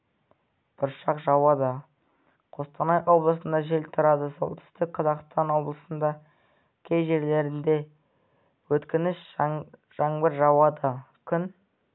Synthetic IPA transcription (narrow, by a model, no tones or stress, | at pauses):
b̥ʊɾʃɑqʒɑwɑd̪ɑ | qʰo̞st̪ɑnɑjwo̞blˠəsənd̪ɑʒe̞lt̪ʰʊɾɑd̪əso̞̰lˠt̪ʰʏ̥st̪ɪk̚qʰɑzɑqst̪ɑnwo̞blˠəsənd̪ɑ | kʲʰejʒe̞ɾle̞ɾɪnd̪e̞ | wɵt̪kʲɪnɪʃ | ʒ̥ɑɴbɪɾʒɑwɑd̪ɑ | kʲʰʏn